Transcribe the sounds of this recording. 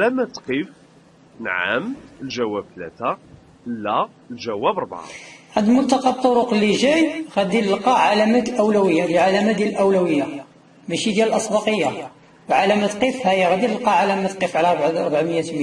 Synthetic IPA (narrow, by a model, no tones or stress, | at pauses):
læmæt̪qif | nʕa̰mlʒæwæb̚t̪læ̰t̪æ | lːæ | lʒæwæbɾˤbʕa̰hæd̪lmʊt̪ːɑqɑb̚t̪ˤːoɾʊqlːiʒæjɣæd̪iləlqɑʕalæmæt̪lʔəwlæwəjːad̪jʕalæmæd̪jælʔəwlæwəjːa | mæʃid̪jæləlʔɑsˤbɑqəjːa | wʕalæmæt̪qifhæjæɣæd̪iləlqɑʕalæmæt̪qifʕlæɾˤbʕɑɾˤbʕaməjːæt̪m